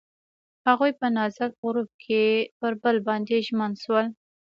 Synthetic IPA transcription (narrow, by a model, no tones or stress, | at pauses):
haɣujpənɑzak̚ɣɾup̚kʰepəɾbəlbɑnd̪eʒmənʃwəl